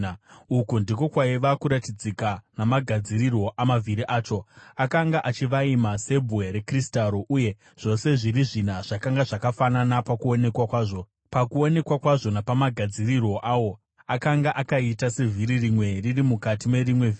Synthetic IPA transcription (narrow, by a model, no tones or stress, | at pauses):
ukundiko̞kwaiʋakuɾatid͡zikanamaɡʱad͡zirirwo̞ʔamavʱiɾiʔaːt͡ʃo̞akaŋɡaʔat͡ʃiʋaimase̞bʱuweɾe̞kristaɾo̞ʔuje̞ | ʐ̥o̞se̞ʐiɾiʐin̤aʐ̥akaŋɡaʐakafananapakuo̞ne̞kwakwaːʐo̞ | pakuo̞ne̞kwakwaʐo̞napamaɡʱad͡zirirwo̞ʔaːwo̞ | akaŋɡaʔakaitase̞vʱiɾirimwe̞ririmukatime̞rimwe̞vi